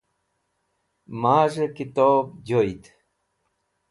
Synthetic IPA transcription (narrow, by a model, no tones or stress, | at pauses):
maːʐekit̪oːbd͡ʑoit̪